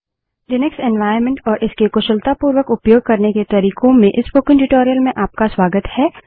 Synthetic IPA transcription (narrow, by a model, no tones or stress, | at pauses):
ɖɪneksɛnʋaːɪəɾmẽɳʈɔːɾʔɪskekʊʃəlt̪apuːɾwəkʊpjoːɡ̚kɐɾneket̪ɐɾiːkõmẽʔɪspoːkɪ̃ŋʈɪʈoːɾijəlmẽʔaːp̚kaswaːɡət̪hɛː